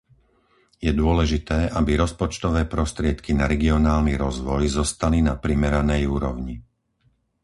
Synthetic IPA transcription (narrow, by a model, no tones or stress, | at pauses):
jɛd̪ʊɔlɛʒit̪ɛːʔabiɾɔspɔt͡ʃt̪ɔʋɛːpɾɔst̪ɾɪɛt̪kinaɾɛɡiɔnaːlniɾɔzʋɔjzɔst̪alinapɾimɛɾanɛjuːɾɔʊɲi